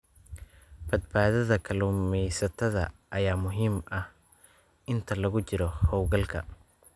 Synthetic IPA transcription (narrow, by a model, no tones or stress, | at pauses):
b̥ɐd̪baːðɐðɐkʰɐluːmɛjsɐt̪ʰɐðɐ̰ʔɐjaːmʊɦiːmɐh | ʔɪnt̪ʰɐlɐɣʊt͡ʃɪɾɔhɔwɡɐlkʰɐ̰